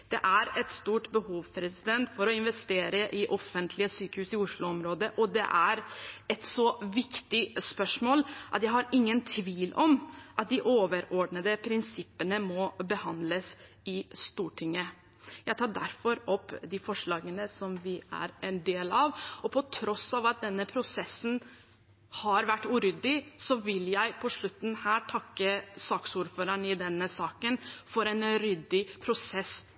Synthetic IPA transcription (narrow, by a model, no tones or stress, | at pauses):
d̪̥ɛ̰ʔæɾɛt̪st̪uːʈbəhuːʋpʰɾɛsɪd̪ɛnt̪fɔɾɔɪnʋɛst̪eːɾəʔɪʔɔfənt̪ʰlɪəsyːkəhʉːsɪʊʂɭʊɔmɾoːd̪əʔɔd̪ɛ̰ʔæɾɛt̪sɔʋɪkt̪ɪspœʂmoːlʔɑ̰t̪jæɪhɑɾɪŋːənt̪ʰʋiːlɔmʔɑt̪̚d̪ɪʔoːʋəɾɔɖɳəd̪əpʰɾɪnsɪpːənəmɔbəhɑnd̪ləs | ɪst̪uːʈʰɪŋːə | jæɪt̪ʰɑːɖæ̰ɾfɔɾɔpːd̪ɪfɔʂɭɑːɡənəsɔmʋɪæ̰ɾʔɛnd̪eːlɑʋɔpʰɔt̪ʰɾɔsɑʋɑt̪̚d̪ɛnːəpʰɾʊsɛsːn̩ | hɑɾʋæʈːʉːɾʏd̪ɪsɔʋɪljæɪpʰɔʂɭʉt̪ːn̩hæːʈʰɑkːəsɑːksuːɾføːɾəɳɪd̪ɛnːəsɑːkənfɔɾɛnɾʏd̪ɪpʰɾʊsɛs